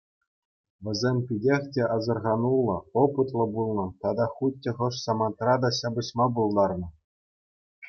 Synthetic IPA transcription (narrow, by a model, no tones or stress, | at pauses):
ʋʲɘ̆zʲemʲpʲidʲexʲtʲeʔɑzɤ̆rʁɑnulˠːɤ̆opɯt̪lˠɤ̆bulˠnɤ̆t̪ɑd̪ɑχut̪ʲːɘ̆χɤ̆ʂsɑmɑnt̪rɑd̪ɑɕɑbɤ̆ɕmɑbulˠd̪ɑrnɤ̆